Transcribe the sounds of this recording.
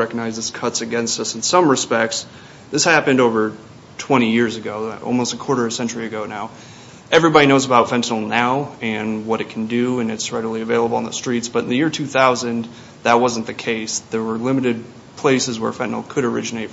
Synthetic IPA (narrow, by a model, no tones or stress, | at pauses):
ɛkəɡ̚naɪzðɨskʰʌtsɨɡɛ̃nstʌsn̩sʌ̃mɹɨspɛk̚ts | ðɪshæpɨ̃ndoʊvə˞ | tʰw̥ɛ̃ɾ̃ijɪɹzɨɡoʊɔ̰lˠmoʊstəkʰw̥ɔɹɾə˞sɛ̃nt͡ʃə˞iɨɡoʊnaʊ | ʔɛvɹibɑɾinoʊzəbaʊtfɛ̃ntl̩ˠnaʊɨ̃nwʌɾɨt̚kʰn̩dʉɨ̃nɨtsɹɛɾl̩ˠiɨveɪlˠəbl̩ˠə̃nðəstɹ̥itsb̥ʌɾn̩ðɨjɪɹtʰʉθaʊzɨ̃n | ðət̚wʌz̃n̩ðɨkʰeɪsðə˞wə˞lɪ̃mɨɾɨd̚ | pʰl̥eɪsɨzwə̰˞fɛ̃nl̩ˠkʰɨɾə˞ɪ̰d͡ʒɨneɪt